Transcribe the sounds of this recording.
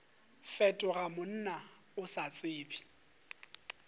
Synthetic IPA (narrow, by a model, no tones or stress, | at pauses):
fɛtʼʊɣamʊn̩na | ʊsat͡sʼɪːbʼi̥